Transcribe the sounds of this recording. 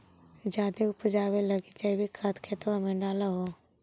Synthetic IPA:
d͡ʒaːd̪eʊpd͡ʒaːweləɡid͡ʒaibʱikʰat̪kʰet̪oamẽɖaːlaɦo

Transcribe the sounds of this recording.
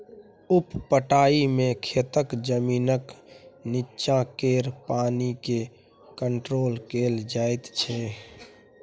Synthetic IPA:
ʊppəʈaːimẽkʰet̪əkd͡ʒəmiːnəkniːʃãkeːɾpaːnike | kəɳʈɾoːlkeːld͡ʒaːet̪t͡ʃʰɛ

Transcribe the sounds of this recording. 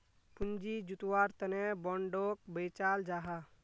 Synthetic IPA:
pund͡ʒid͡ʒut̪waːɾt̪ɐnebɔ̃ɳɖoːk̚beːt͡ʃaːld͡ʒaːɦa

